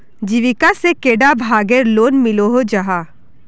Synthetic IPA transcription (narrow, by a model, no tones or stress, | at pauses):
d͡ʒiʋɪkasekeːɖabʱaːɡəɾloːnmɪloɦod͡ʒɐɦaː